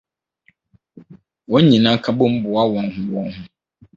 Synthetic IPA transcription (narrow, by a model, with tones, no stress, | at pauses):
wɔ̃˦ɲ̩˦ɲĩ˨nã˦kʰa˦bo˦m̩˦bʊ˨a˦wɔ̃˨nhʊ̃˦wɔ̃˦nhʊ̃˦